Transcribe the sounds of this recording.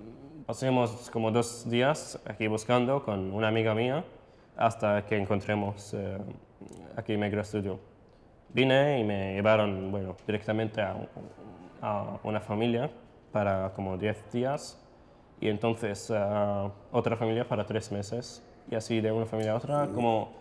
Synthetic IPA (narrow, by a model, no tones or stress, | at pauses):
pasimoskomod̪ozd̪iasa̰kiβuskand̪okonunaːmiɣamia | a̰st̪akeːŋkont̪ɾemos | a̰kimeɣɾoest̪udjo | bineimeʝeβaɾo̞nbweno̞d̪̥iɾek̚t̪amẽnt̪ea̰ | aṵnafamilja | paɾakomod̪jeθd̪ias | ḭent̪õ̞nθe̞sa | ot̪ɾafamiljapaɾat̪ɾesme̞se̞s | iasid̪eunafamiljaot̪ɾakomo